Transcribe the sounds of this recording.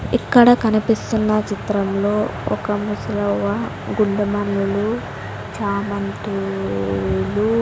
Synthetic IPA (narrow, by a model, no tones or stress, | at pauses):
ikːɐɽɐkɐnipist̪unːɐt͡ʃit̪ɾɐmlo̞ːɔkɐmusɐlɐʋɐ | ɡuɳɖɐmɐnlulu | t͡ʃaːmɐnt̪u | lu